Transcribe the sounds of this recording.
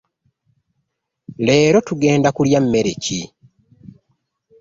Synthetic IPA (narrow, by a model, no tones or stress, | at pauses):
le̞ːɾo̞tuɡe̞ːndakuljamːe̞ɾe̞̰ci